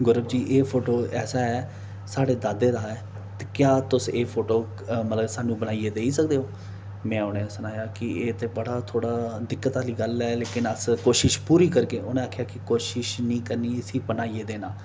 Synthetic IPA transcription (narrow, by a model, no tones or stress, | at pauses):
ɡʊɾəbd͡ʒiːʔeːpʰoːʈoːɛːsaːɛː | saːɽeːd̪aːd̪eːd̪aːɛː | t̪e̥ːkjaːt̪ʊseːpʰoːʈoː | mət̪ləbsaːnũːbənaːiːeːd̪eːisəkd̪eːɦoː | mɛ̃ːʊnẽːsənaːjaːkɪeːt̪eːbəɽaːt̪ʰoːɽaːd̪ɪkːət̪aːliːɡəlɛːleːkɪnəskoːʃɪʃpuːɾiːkəɾkeːʊnẽːaːkʰːjaːkɪkoːʃɪʃnĩːkəɾniːəsiːbənaːiːeːd̪eːnaː